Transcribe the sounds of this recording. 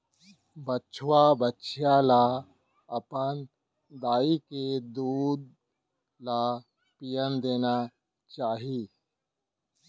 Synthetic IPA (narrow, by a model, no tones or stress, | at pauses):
bətːt͡ʃʰwabətːʃʰjala | ɐpən | d̪aːiked̪uːd̪̚ | la | pijənd̪eːna | t͡ʃaːɦi